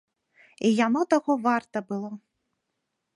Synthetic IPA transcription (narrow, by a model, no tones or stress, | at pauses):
ijanɔt̪aɣɔvart̪ɐbɨlˠɔ